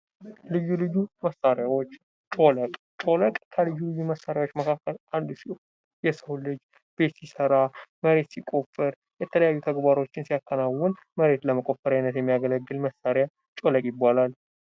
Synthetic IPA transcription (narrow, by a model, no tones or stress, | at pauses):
lɨjːulɨjːuməsaɾjawot͡ʃː | t͡ʃʼo̞ləkʼ | t͡ʃʼo̞ləkʼkʰəlɨjːulɨjːuməsːaɾjawo̞t͡ʃːməkʰakːəlʔand̪si | jɛsəwlɨd͡ʒ | b̥e̞t̪sisəɾaməɾe̞t̪sikʼo̞fːɨɾ | jɛt̪ʰələjajːut̪ʰəɡbaɾo̞t͡ʃːɪnsijakʰːənawʊn | məɾe̞t̪ləməkʼo̞fəɾajnət̪jɛmːijaɡələɡːɨlməsːaɾja | t͡ʃʼo̞ləkʼjɪbːalal